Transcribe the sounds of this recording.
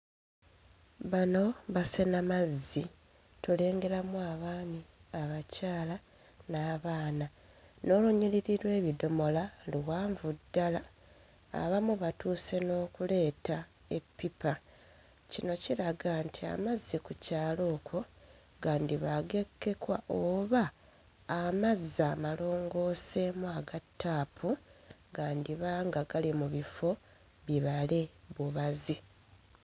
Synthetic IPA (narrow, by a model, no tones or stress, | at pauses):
βano̞βasenamazːi | tule̞ːŋɡe̞ɾamwaːβaːniaβacaːla | naːβaːna | no̞ːluɲiliɾiɾwe̞ːβido̞mo̞laluwaːɱvudːala̰ː | βamuβatuːse̞no̞ːkule̞ːta | e̞pːipa | cino̞ciɾaɡantʰia̰mazːikucaːlo̞ːkʰo̞ | ɡaːndiβaɡe̞kːe̞kwa̰ʔoːβaː | mazːamalo̞ːŋɡo̞ːse̞muaɡatːaːpuɡaːndiβaːŋɡaɡalimuβifo̞ | βiβale̞βuβazi